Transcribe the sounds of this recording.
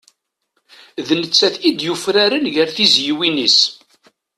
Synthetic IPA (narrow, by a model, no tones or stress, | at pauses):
ðnət͡sːæθid̪jufɾaɾənʝəɾθizjiwinis